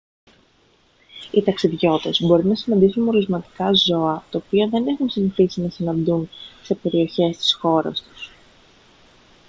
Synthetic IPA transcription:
it̪ɐksiðʝo̞t̪e̞zbo̞ɾinɐsinɐnd̪isunmoɾizmɐt̪i̥kɐzo̞ɐt̪ɐopiɐðe̞ne̞xunsiɱθisinɐsinɐnd̪unse̞pe̞ɾio̞çe̞st̪i̥sxo̞ɾɐ̰st̪u̥s

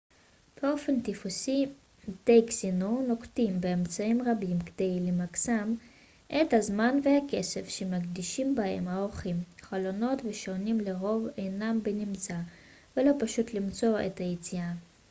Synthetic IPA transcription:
b̥eo̞fe̞nt̪ifusi | mt̪ejksinono̞kt̪imbeːmt͡saimʁabimked̪e̞jlemaksam | ʔethazmanveake̞sefʃemakdiʃimbahe̞̰mhaoχimχalo̞no̞tveʃonimleʁo̞ve̞jnambenimt͡sa | velo̞paʃut̪limt͡so̞ḛthajit͡sia

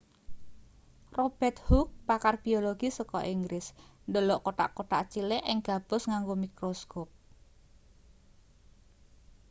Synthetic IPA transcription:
rob̥ɛt̪̚huk̚pakarb̥ioloɡ̥isəkɔ̰ʔiŋɡɾɪsndəlɔʔkoʈa̰ʔkoʈa̰ʔt͡ʃileʔɪŋɡ̥a̤b̥ʊ̤sŋaŋɡomikɾoskop̚

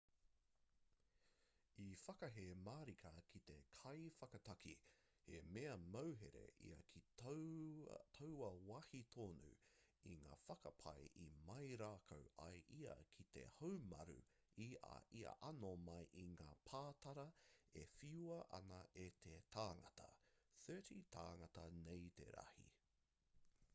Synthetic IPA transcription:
ifɐkɐɦemaːɾikʰɐkʰit̪e̞kʰɐjfɐkɐt̪ɐkʰi | hemeɐmɐwɦḛɾḛḭɐ̰kʰi | t̪ʰowɐwɐhit̪ʰoːnṵiŋa̰ːfɐkɐpʰɐjʔḭmɐjɾaːkʰowʔɐjʔiɐ̰kʰit̪e̞̰howmɐɾṵ | ia̰ʔiɐ̰ʔɐnomɐjʔiŋaːpʰaːtɐɾɐefiuɐʔɐ̰nɐʔet̪ʰetʰaːŋɐtɐθɜːtit̪ʰa̰ːŋɐtɐnejt̪e̞̰ɾɐ̰hḭ

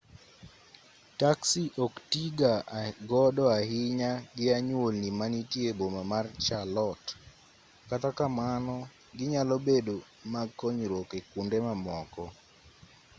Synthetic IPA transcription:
taksiʔoktiɡaɡɔdɔaɦɪɲaɡɪaɲwolnimanitjebomamart͡ʃalɔt | katakamanɔ | ɡɪɲalɔbedo | maɡkːoɲɾokekundemamɔkɔ

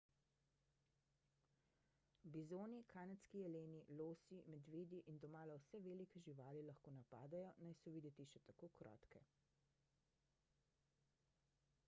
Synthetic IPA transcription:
bizoːnikʰaːnɛt̪skiɛleːniloːsimɛd̪ʋeːd̪iʔind̪ɔmaːlawsɛʋeːlikɛʒiʋaːlilaxkoːnapa̰ːd̪ajɔnajsɔʋid̪ɛt̪iʃɛt̪akoːkɾɔ̰ːt̪kɛ

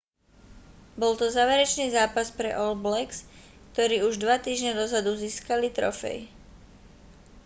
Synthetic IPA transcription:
bɔlt̪ɔzaːʋɛɾɛt͡ʃniːzaːpaspɾɛ̰ʔɔlblɛks | kt̪ɔɾiːuʒd̪ʋat̪iːʒɲɛd̪ɔzad̪uziːskalit̪ɾɔfɛ̰j

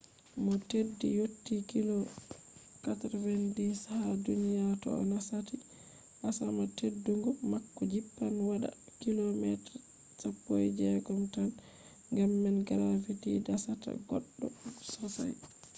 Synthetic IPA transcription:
mɔtedːḭjotːikilɔ | katɾvɛndishadunijatɔ̰ɔ̰nasati | ʔasamatedːuŋɡɔmakːɔd͡ʒipːanwaɗa̰ | kilɔmɛtɾ | sapːo̰jd͡ʒɛɡɔmtan | ŋɡamːɛnɡaɾafitidasata̰ɡɔɗːɔsɔsa̰j

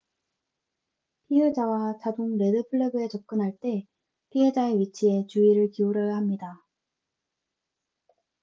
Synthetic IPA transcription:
pʰied͡ʑawat͡ɕadoŋɾe̞dɯpʰɯɭːebɯe̞t͡ɕʌp̚k͈ɯnɦaɭt͈e̞ | pʰiɦed͡ʑaeɥit͡ɕʰie̞t͡ɕuiɾɯɭkiuɾʌjaɦamɲida

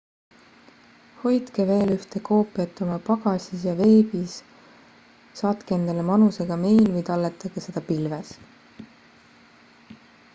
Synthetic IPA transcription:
ho̞jd̪̥keve̞ːlyht̪e̞ko̞ːpːˑiɑt̪ːˑo̞mɑpɑɡ̥ɑsʲisjɑve̞ːbis | ɑːt̪kee̞nd̪̥ɑlemɑnuse̞ɡ̥ɑme̞jlvɯjt̪ɑlːet̪ːˑɑɡ̥ese̞d̪̥ɑpilves

